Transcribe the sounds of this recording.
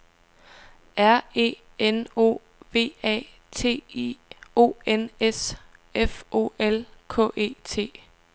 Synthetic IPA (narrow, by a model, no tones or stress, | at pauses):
æɐe̝̰ː | eno̝̰ː | ʋe̝̰ːɛ̰ː | t͡sʰe̝̰ːio̝̰ːenesefʔo̝̰ːelkʰɔ̰̽ːʔe̝̰ːt͡sʰe̝̰ː